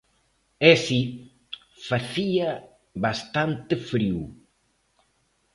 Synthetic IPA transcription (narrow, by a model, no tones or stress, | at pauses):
esi | faθia | βast̪ant̪ɪfɾiw